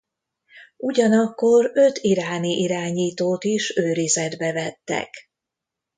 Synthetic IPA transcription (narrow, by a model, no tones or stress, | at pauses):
ʔuɟɒnɒkːo̞røt̪ʰiɾaːniʔiɾaːɲiːt̪oːt̪iʃøːɾizɛd̪bɛvɛt̪ːɛ̰k